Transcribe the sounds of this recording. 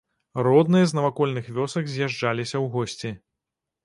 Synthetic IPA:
rɔd̪nɨjɐznɐvakɔlʲnɨxvʲɔsɐɡzʲjaʐd͡ʐalʲisʲɐwɣɔsʲt͡sʲi

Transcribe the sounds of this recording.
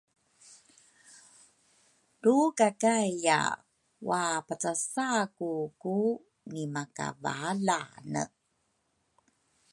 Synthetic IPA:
dukakaja̰ | wapat͡sasakuku | nimaka̰va̰lanə̰

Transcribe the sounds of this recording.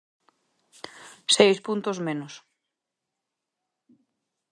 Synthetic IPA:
sejspunt̪ozmenʊs

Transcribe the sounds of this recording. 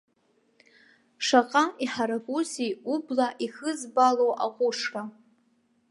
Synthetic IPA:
ʂaqʼaiħaɾaɡʷʼuziublaʔixɨzbalowʔaqʷʼʊʂkʼa

